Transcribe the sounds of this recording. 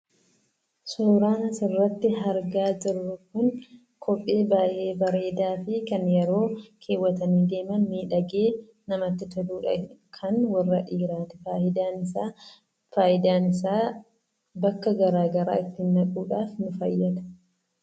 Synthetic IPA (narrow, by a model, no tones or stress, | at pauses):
sʊːɾaːnɐsɪrːɐt̪ːɪɦɐɾɡaːd͡ʒɪrːʊkʊn | kʰɔpʼːe̞ːbaːʔe̞ːbɐɾe̞ːd̪aːfɪkɐnjɛɾo̞ːkʰe̞ːwːɐt̪ɐniːd̪e̞ːmɐnmiːᶑɐɡe̞ː | nɐmɐt̪ːɪt̪ɐd̪uːᶑɐ̰kʰɐnwɐrːɐᶑiːɾaːt̪ɛ̥faːʔɪd̪aːnɪsaː | faːʔɪd̪aːnɪsaː | bɐkːɐɡɐɾaːɡɐɾa̰ːɪt̪ːɪnːɐkʼuːᶑaːfnʊfɐ̰jːɐd̪ɐ̥